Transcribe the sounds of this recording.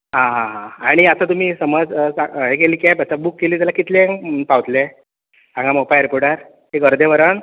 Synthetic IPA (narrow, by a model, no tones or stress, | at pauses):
ɦãɦãɦãaɽ̃iət̪at̪um̤iːsəməd͡zaɦekeliːkjapət̪abukːeliːt̪jalakit̪lẽŋpawt̪le | ãŋɡamopajɾepoɾɽɖəɾ | ekəɾd̪eʋəɾən